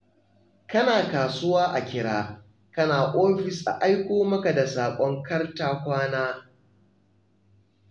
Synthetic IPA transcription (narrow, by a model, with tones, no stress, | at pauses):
kɐ˦naː˨kaː˨sʊ˦waː˦ʔa˨kʲɪ˦ɽaː˦ | kɐ˦naː˨ʔoː˦ɸɪ˨sʔa̰˨ʔa˦jkʷoː˦mɐ˦ka˨da˨saː˨kʷʼɔ˦ŋkɐ˦rtaː˦kʷaː˦naː˦